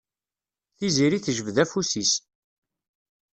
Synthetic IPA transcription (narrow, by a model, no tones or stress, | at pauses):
θiziɾiθʒəvðæfusis